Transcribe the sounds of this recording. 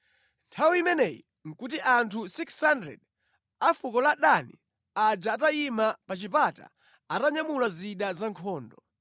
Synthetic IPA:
ntʰawiimɛnɛjḭ | ŋ̩kut̬iʔantʰusikshandɾɛ̰d | afukɔlaɗani | ad͡ʒaːtaimapat͡ʃipata̰ | ataɲamulaziɗazaŋkʰɔːndɔ

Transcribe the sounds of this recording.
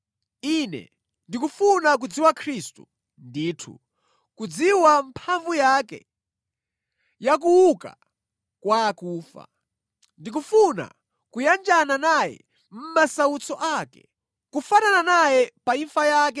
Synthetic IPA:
inɛ̰ | ndikufunak̬ud͡ziwakʰɾistṵ | ndiːtʰṵ | kud͡ziwampʰaɱvujakɛ̰ | jakuwuka̰ | kwaːkuːfa̰ | ndik̬ufuna̰ | kujand͡ʒananajɛ̰ | m̩masaut͡sɔʔakɛ̥̰ | kufanananajɛpaifajaːk̬ɛ

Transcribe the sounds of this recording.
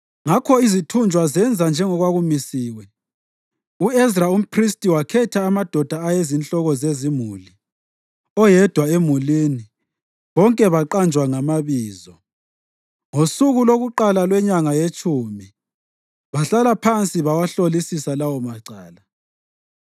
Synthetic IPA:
ŋakʰɔizitʰund͡ʒʱwazɛnd͡zʱand͡ʒʱɛŋɔɣwaɣumisiːwɛ | uɛzraum̩pʰristʼiwakʰɛtʰaːmad̥ʱɔd̥ʱaːjezint͡ɬʼɔɣɔzezimuli | ɔjɛd̥ʱwaemulini | βɔŋkʼɛβaǃand͡ʒʱwaŋamaβiːzɔ | ŋosuɣuloɣuǃalalwɛɲaŋajet͡ʃʼuːmi | βaɬalapʰant͡sʼiβawaɬolisisalawɔmaǀaːla

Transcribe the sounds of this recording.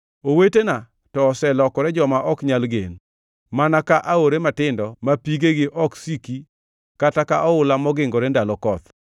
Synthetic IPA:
owetena | tɔːsɛlɔkɔɾɛd͡ʒɔmaʔɔkɲalɡen | manakaʔaoɾematɪndɔmapiɡeɡɪʔɔksiki | katakaʔɔʊlamɔɡɪŋɡɔɾɛndalɔkɔt̪

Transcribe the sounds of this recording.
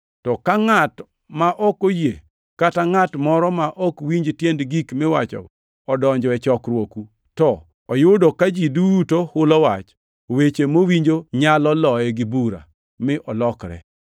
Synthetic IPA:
tɔkaŋat | maʔɔkoje | kataŋatmɔɾɔmaʔɔkwiɲd͡ʒtjendɡikmɪwa̰t͡ʃɔ̰ | ɔdɔɲd͡ʒɔɛt͡ʃɔkɾwoku | tɔ | ɔjʊdɔkad͡ʒidutohʊlɔwat͡ʃ | owet͡ʃemowiɲd͡ʒoɲalɔlɔɛɡɪbuɾa̰ | mɪʔɔlɔkɾɛ̰

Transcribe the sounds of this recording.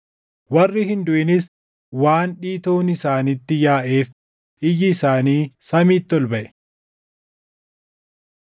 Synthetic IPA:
wɐrːɪhɪnd̪ʊʔɪnɪs | waːnᶑiːt̪o̞ːnɪsaːnɪt̪ːɪjaːʔe̞ːf | ʔɪjɪːsaːniːsɐmiːt̪ːɔlbɐʔɛ̥

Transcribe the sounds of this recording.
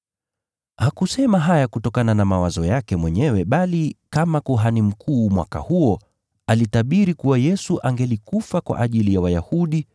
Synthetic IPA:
hakusɛmaɦajakutɔkananamawazɔjakɛmwɛɲɛwɛɓalikamakuɦanim̩kʰuːmwa̰ka̰huɔ | alitaɓiɾikuwajɛsuʔaŋɡɛlikufakwa̰ʔaʄilijawajahuɗi

